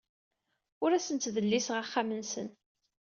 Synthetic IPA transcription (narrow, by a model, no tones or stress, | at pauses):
ʊɾæsənt̪ðəlːisʁaχːamənsə̰n